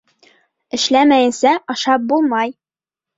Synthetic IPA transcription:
ɘ̆ʃlæmæjɘ̆nsæʔɒʃɑp̚bulˠmɑj

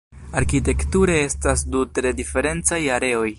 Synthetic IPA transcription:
aɾkit̬e̞ktuɾe̞e̞stasdutɾe̞dife̞ɾe̞nt͡sajaɾe̞o̞j

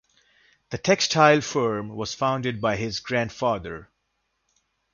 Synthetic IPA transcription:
d̪̥əʈʰɛkstʰaɪlfɜɹmwɔz̥fãʊ̃nɖɪɖ̚baɪɪzɡɹæ̃nɖfaːd̪əɹ

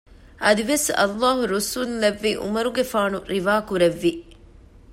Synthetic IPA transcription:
ʔɐd̪iʋesɐ̰lːaːɦuɾusuːnlɐʋːiːʔṵmɐɾuɡefaːnuɾiʋaːkuɾeʋːi

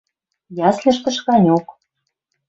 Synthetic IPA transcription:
jɑslʲɘ̆ʃt̪ə̆ʃkɑnʲok

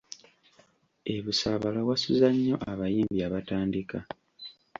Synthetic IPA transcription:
e̞βusaβalawasuzaɲːo̞ʔaβajiːmbiaβataːndika

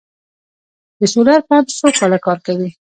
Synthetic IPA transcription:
d̪əsolaɾpɑt̪sokɑlakɑɾkawi

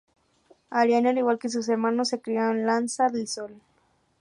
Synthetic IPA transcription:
aɾjanaliwalkes̬us̬eɾmanosːekɾiaonlansaðelsol

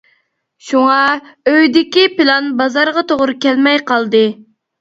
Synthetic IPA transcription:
ʃuŋɑøjd̪ɪkʲipɪlˠɑnbɑzɑɾʁɑt̪ʰoʁɾɨkʲɛlmɛjqɑlˠd̪ɨ

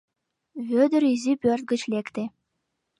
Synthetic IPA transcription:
βʲød̪ɘ̆ɾizʲipʲørʲt̪̚ɡɘ̆t͡ɕlʲekt̪ʲĕ

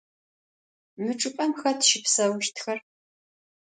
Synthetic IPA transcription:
mɨʈ͡ʂʼɨpʼɐmxɐtʃɪpsɐwʃtʰxɐr

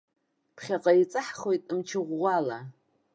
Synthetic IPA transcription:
pʰχʲaqʼait͡sʼɨħχo̞jtʼɨmt͡ʃʰɪʁʷːala

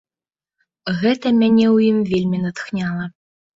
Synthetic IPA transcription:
ɣɛt̪ɐmʲænʲewjimvʲelʲmʲinət̪xnʲalˠɐ

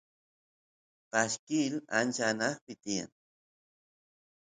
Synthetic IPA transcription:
paʃkɪla̰nt͡ʃanɑχpɪt̪ija̰ŋ

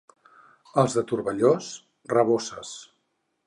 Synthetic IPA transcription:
əlˠzðət̪uɾβəʎos | rəβosə̰s

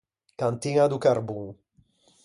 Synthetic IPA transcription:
kant̪iŋad̪ukaɾbuŋ

